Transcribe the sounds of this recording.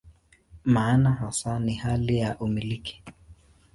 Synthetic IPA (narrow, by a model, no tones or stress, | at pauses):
maːnaɦasanihalijaʔumiliki̥